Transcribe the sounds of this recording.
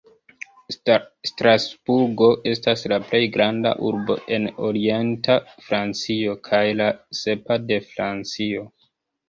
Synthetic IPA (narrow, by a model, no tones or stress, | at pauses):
stɾasb̥uɾɡoʔe̞staslaple̞jɡɾanda̰ʔuɾbo̞̰ʔe̞no̞ɾie̞ntafɾant͡sio̞kʰajlase̞pade̞fɾant͡sio̞